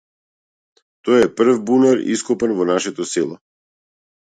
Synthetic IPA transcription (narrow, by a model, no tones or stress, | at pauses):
t̪ɔjɛpr̩vbunaɾḭskɔpɛnvɔnaʃɛt̪ɔsɛlˠɔ